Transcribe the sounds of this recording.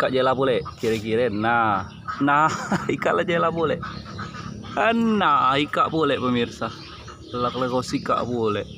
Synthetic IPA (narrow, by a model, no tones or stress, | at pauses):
kaʔd͡ʒelapolɛʔkiɾɛkiɾɛna | naikaʔlad͡ʒelapulɛʔ | ənːaikaʔpulɛʔpəmirsa | laklekɔsika̰ʔpulɛʔ